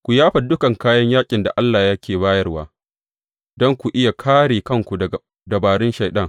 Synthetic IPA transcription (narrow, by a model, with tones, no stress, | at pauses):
kʷu˨jaː˦ɸɐ˨dʊ˦kɐ˨ŋkaː˦jɐ˦ɲjaː˦kʲʼɪ˨nda̰˨ʔa˦lːaː˨jɐ˦kʲeː˨baː˦jɐ˦rwaː˦ | dɔ˦ŋkʷu˨ʔɪ˦ja˨kʰaː˦ɽeː˨kɐ˦˨ŋkʷu˨ɐ˨ | dɐ˨baː˨ɽɪ˦nʃa˨jɗɐ˦˨ŋ